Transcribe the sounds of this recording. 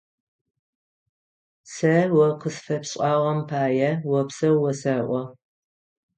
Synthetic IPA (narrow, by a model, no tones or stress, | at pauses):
sɐwɐqəsfɐpɕʼɑːʁɐmpʰaːjɛwɐpsɐwwɔsɐʔʷɔ